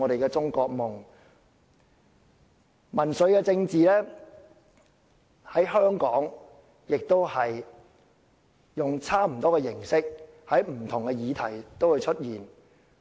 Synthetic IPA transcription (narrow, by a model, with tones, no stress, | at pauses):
ɔː˨˧ɾe˨jkɛː˧t͡sʊ˥ŋkɔː˧k̚mʊ˨ŋ | mɐ˨˩nsɵ˨˧ɥkɛː˧t͡sɪ˧ŋt͡siː˨lɛː˥ | hɐ˨˥jɦœː˥ŋkɔː˨˥ŋ | jɪ˨k̚t̪o˥whɐ˨j | jʊ˨ŋt͡sʰaː˥m̩˨˩t̪ɔː˥kɛː˧jɪ˨˩ŋsɪ˥k̚ | hɐ˨˥jm̩˨˩t̪ʰʊ˨˩ŋkɛ˧jiː˨˧t̪ʰɐ˨˩jt̪o˥whɵ˨˧jt͡ʃʰɵ˥t̚jiː˨˩n